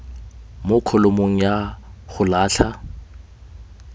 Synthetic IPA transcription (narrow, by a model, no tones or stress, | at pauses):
mʊkʰɔlomoŋ̩jaχʊlaːɬʰa